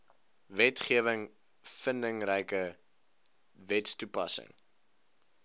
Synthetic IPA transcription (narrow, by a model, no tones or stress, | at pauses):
vɛtχiəvəŋ | fəndəŋrɛjkə | vɛtstupɐsə̰ŋ